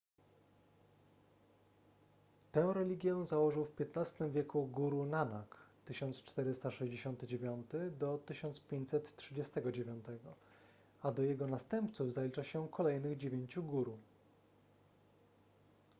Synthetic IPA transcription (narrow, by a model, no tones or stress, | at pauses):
t̪ɛ̃w̃ɾɛlʲiɡʲjɛzawɔʐɘwfpʲjɛt̪nast̪ɘmvʲjɛkuɡuɾunanakt̪ɘɕɔnt̪st͡ʂt̪ɛɾɘst̪aʂɛʑd͡ʑeɕɔnt̪ɘd͡ʑevʲjɔnt̪ɘd̪ɔt̪ɘɕɔnt̪spʲjeɲt͡ɕʲsɛt̪tʂɘd͡ʑɛst̪ɛɡɔd͡ʑevʲjɔnt̪ɛɡɔ | ad̪ɔjɛɡɔnast̪ɛmpt̪suvzalʲit͡ʂaɕɛkʰɔlɛjnɘɣd͡ʑevʲjeɲt͡ɕuɡuɾ